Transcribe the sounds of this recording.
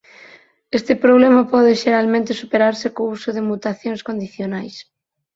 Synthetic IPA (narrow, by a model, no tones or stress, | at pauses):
est̪ɪpɾoβlɛmapɔðɪʃeɾalmẽnt̪ɪsupeɾaɾsɪkousoðɪmut̪aθjoŋskond̪iθjonajs